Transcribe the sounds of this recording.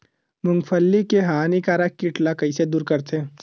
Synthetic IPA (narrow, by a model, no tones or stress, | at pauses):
mʊ̃ŋɡfʰəlːikeɦaːnikaːɾakːɪʈlakɐised̪uːɾkɐɾt̪ʰe